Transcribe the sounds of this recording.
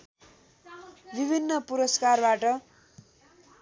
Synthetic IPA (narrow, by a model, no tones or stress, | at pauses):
bibʱinːʌpuɾʌskarbaʈʌ